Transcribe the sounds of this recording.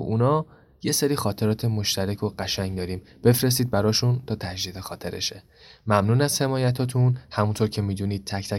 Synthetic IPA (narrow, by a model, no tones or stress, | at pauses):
ʔunɒː | je̞seɾiːxɒːt̪ʰe̞ɾɒːt̪ʰemo̞ʃt̪ʰæɾæcʰo̞ɢæʃæŋd̪ɒːɾiːm | b̥e̞fɾe̞s̬t̪iːd̪̚bæɾɒːʃunt̪ʰɒːt̪ʰæd͡ʒd̪id̪exɒːt̪ʰeɾḛʃe | mæmnuːnæz̥he̞mɒːjæt̪ʰɒːt̪ʰunhæmunt̪ʰoɾcʰe̞miːd̪uːniːd̪̥̚t̪ʰæcʰt̪ʰæ